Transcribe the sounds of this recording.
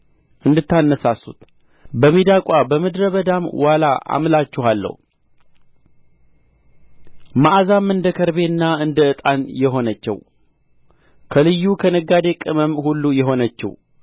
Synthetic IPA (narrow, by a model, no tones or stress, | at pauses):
ʔɨnd̪ɨt̪ʰːanːəsasːṵt̪ | bəmid̪akʼabəmɨd̪ɾəβəd̪amwalaʔa̰mlat͡ʃːɪɦalːə̰hu | maʔazamːɨnd̪əkʰəɾbe̞nːaɨnd̪əɨt̪ʼanjɛɦo̞nət͡ʃːɛ̰w | kʰəlɨjːukʰənəɡːad̪e̞kʼɨməmhulːujɛɦo̞nət͡ʃːɛ̰w